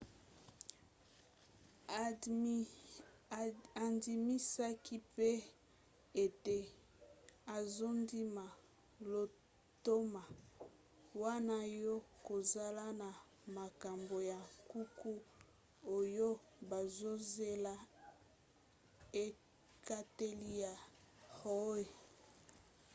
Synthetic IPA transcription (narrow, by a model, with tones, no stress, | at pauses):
a˨ndi˨mi˦sa˦kʰi˦pe˦ | e˨te˨ | a˨zo˦ndi˦ma˨ | lo˨ | to˦ma˨ | wa˦na˦jɔ˦ko˨za˨la˦na˨ | ma˨ka˨mbo˨ja˨ku˦ku˦ | o˨jo˦ | ba˨zo˦ze˦la˦ | e˦ | ka˦te˦li˦ja˨ | ho˦e˨